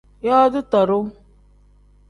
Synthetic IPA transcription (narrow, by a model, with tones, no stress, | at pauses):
jɔ˦dɨ˦tɔ˨ɾʊ˦